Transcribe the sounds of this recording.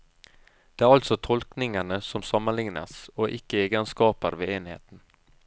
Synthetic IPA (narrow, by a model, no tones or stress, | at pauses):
d̪̥eːæːɾɑlt̪sɔt̪ʰɔlknɪŋənəsɔmsɑmːənlɪŋnə̰soːʔɪkːəeːɡənskɑːpəɾʋeːeːnhḛːt̪n̩